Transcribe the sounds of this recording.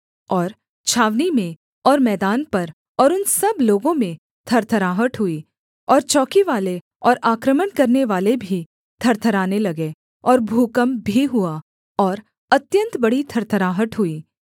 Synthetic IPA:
ɔːɾ | t͡ʃʰaːʋnimẽ | ɔːɾmɛːd̪aːnpɐɾ | ɔːɾʊnsɐbloːɡõmẽ | t̪ʰɐɾt̪ʰəɾaːɦəʈɦʊiː | ɔːɾt͡ʃɔːkiʋaːle | ɔːɾaːkɾəmənkɐɾneʋaːlebʱi | t̪ʰɐɾt̪ʰəɾaːnelɐɡe | ɔːɾbʱuːkəmbʱiɦʊa | ɔːɾ | ɐt̪jə̃nt̪bɐɽit̪ʰɐɾt̪ʰəɾaːɦəʈɦʊiː

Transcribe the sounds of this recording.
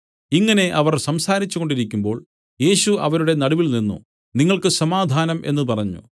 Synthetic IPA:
iŋːɐne̞ʔɐʋɐrsɐmsaːɾit͡ɕːuɣo̞ɳɖiɾikʲːumbo̞ːɭ | je̞ːɕuɐʋɐɾuɽe̞nɐɽuʋilninːṵ | niŋːɐɭkɨsɐmaːd̪ʱaːnɐmʔe̞̰nːɨpɐrɐɲːṵ

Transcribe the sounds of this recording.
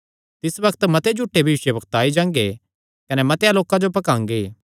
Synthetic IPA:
t̪ɪsbɐkʰt̪mɐt̪ed͡ʒʱuːʈːebʱiuːʃjəbɐkt̪aːid͡ʒãːŋɡe | kɐnɛmɐt̪ealoːkãd͡ʒopɐkãːŋɡeː

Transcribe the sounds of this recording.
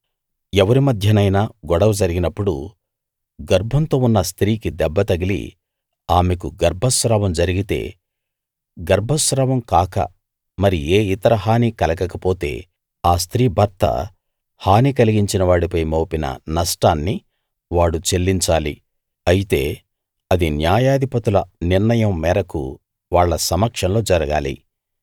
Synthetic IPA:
ɛʋɐɾimɐd̪ʱjɐnɐjnaːɡɔɽɐʋɐd͡ʒɐɾiɡinɐpːuɽṵ | ɡɐɾbʱɐnt̪o̞ːunːɐst̪ɾiːkid̪ɛbːɐt̪ɐɡilḭ | aːme̞k̬uɡɐɾbʱɐsɾaːʋɐmd͡ʒɐɾiɡit̪e̞̰ː | ɡɐɾbʱɐsɾaːʋɐmkaːkɐ̰ | mɐɾieːit̪ɐɾɐɦaːnikɐlɐkɐkɐpo̞ːt̪e̞̰ː | aːst̪ɾiːbʱɐɾt̪ːɐ̰ | haːnikɐliɡiɲt͡ʃinɐʋaːɽipɐjmoːpinɐ̰nɐsʈaːnːi | ʋaːɽut͡ʃe̞lːiɲt͡ʃaːli | ɐjit̪e̞ː | ɐd̪injaːjaːd̪ʱipɐt̪ulɐniɾnɐjɐmːɛːɾɐkṵ | ʋaːɭːɐsɐmɐkʂɐnlo̞ːd͡ʒɐɾɐɡaːlḭ

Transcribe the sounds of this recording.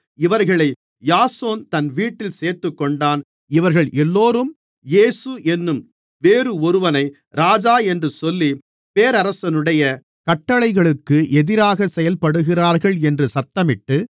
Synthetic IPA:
ɪʋɐɾɣɐɭɐɪ | jaːsoːnt̪ɐnʋiːʈːɪlseːɾt̪ɯkːɔɳɖaːn | ɪʋɐɾɣɐɭʔɛlːoːɾɯm | jeːsɯʔɛnːɯm | ʋeːɾɯɔɾɯʋɐnɐɪ | ɾaːd͡ʒaːɛndrɯsɔlːi | peːɾɐɾɐsɐnɯɽɐjɐ | kɐʈːɐɭɐɪɣɐɭɯkːɯʔɛðɪɾaːɣɐsɛjɐlpɐɽɯɣɪraːɾɣɐɭɛndrɯsɐt̪ːɐmɪʈːɯ

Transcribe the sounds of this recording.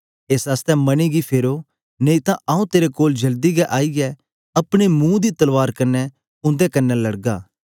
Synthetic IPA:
eːsaːst̪ɛmɐñiɡipʰeːɾo | neit̪ãʔɐːũt̪eːɾekoːld͡ʒɐld̪iɡɛʔaːiɡɛ | ɐpɽ̃imũːd̪it̪ɐlʋaːɾkɐnːɛ | ʊ̃nd̪ekɐnːɛlɐɽɡa̰ː

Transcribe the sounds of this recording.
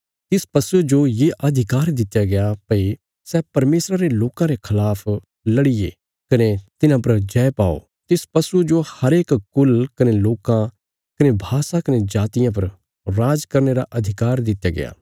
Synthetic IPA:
t̪ɪspɐsud͡ʒojeʔɐd̪ʱɪkaːɾd̪ɪt̪jaɡɐjapɐi | sɛpɐɾmeːsɾaɾeloːkãɾekʰɐlaːpʰ | lɐɽɪjḛ | kɐnet̪ɪnãpɐɾd͡ʒɛːpaːo̰ | t̪ɪspɐsud͡ʒohɐɾeːkkʊlkɐneloːkã | kɐnebʱaːsakɐned͡ʒaːt̪ɪjãp̬ɐɾ | ɾaːd͡ʒkɐɾneɾaʔɐd̪ʱɪkaːɾd̪ɪt̪ːjaɡɪ̰ja̰ː

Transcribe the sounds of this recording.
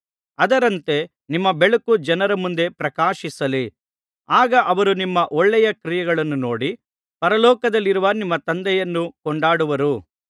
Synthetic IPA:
ɐd̪ɐɾɐnt̪e̞ | nimːɐbeɭɐkud͡ʒɐnɐɾɐmund̪e̞pɾɐkaːʃisɐli | aːɡɐʔɐʋɐɾunimːɐʔɔɭːɛjɐkɾijɐɡɐɭɐnːuno̞ːɽi | pɐɾɐlɔːkɐd̪ɐlːiɾuʋɐnimːɐt̪ɐnd̪ɛjɐnːukɔɳɖaːɽuʋɐɾu

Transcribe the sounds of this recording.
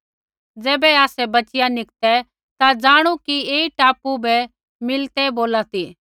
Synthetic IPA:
d͡zɛːbɛaːsɛbɐt͡ʃɪjanɪkt̪ɛ | t̪ad͡zaːɽ̃ukieːiʈaːpubɛ | mɪlt̪ɛboːlat̪iː

